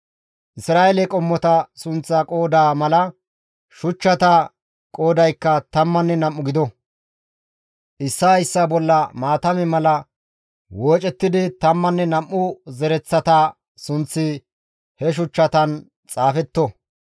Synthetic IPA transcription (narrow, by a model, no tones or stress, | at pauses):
ʔɪsɾaːʔelɛkʼɔmːɔt̪ɐsʊnt͡sːɐkʼo̞ːd̪aːmɐlɐ | ʃʊt͡ʃːɐt̪ɐ | kʼo̞ːd̪ɐjkːɐt̪ɐmːɐnːɛnɐmːʊɡɪd̪ɔ | ʔɪsːajsːɐbɔlːɐmaːt̪ɐmɛmɐlɐ | woːt͡ʃʼɛt̪ːɪd̪ɪt̪ɐmːɐnːɛnɐmːʊzɛɾɛt͡sːɐt̪a | sʊnt͡sːɪ | hɛʃ̬ʊt͡ʃːɐt̪ɐn | t͡sʼaːfɛt̪ːɔ